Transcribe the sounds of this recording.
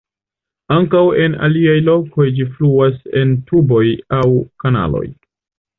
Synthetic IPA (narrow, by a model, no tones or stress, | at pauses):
aŋkawe̞na̰liajlo̞ko̞jd͡ʒifluase̞ntubo̞jawkana̰lo̞̰j